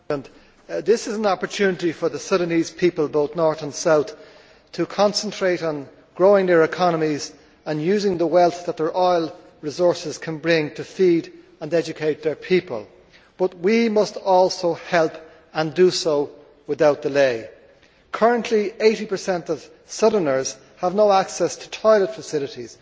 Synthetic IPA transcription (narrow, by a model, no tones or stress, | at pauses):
ə̃n | ðɪsɨzə̃nɑpə˞tʰʉnɪɾifə˞ðəsʌɾəniz̥pʰipəlˠboʊθnɔɹθə̃nsaʊθ | tʰəkʰɑ̃nsə̃ntʰɹ̥eɪɾn̩ | ɡ̥ɹoʊɪ̃ŋðə˞ɪkʰɑnəmiz | ə̃njʉzɪ̃ŋðəwɛlˠθðət̪̚ðə˞ʔɔɪlˠ | ɹɪzɔɹsɪz̥kʰə̃nbɹɪ̃ŋtʰəfid | ə̃nɛd͡ʒɨkʰeɪt̪̚ðə˞pʰipə̰lˠ | b̥ʌt̚wimʌstɔlˠsoʊhɛlˠp | ə̃ndəsoʊ | wɪðaʊt̚d̥ɪleɪ | kʰɜ˞ə̃nʔlieɪɾipʰə˞sɛ̃ntʌv̥ | sʌɾənə˞z̥ | əvnoʊaksɛstʰə̥tʰaɪlətfəsɪlɨɾiz̥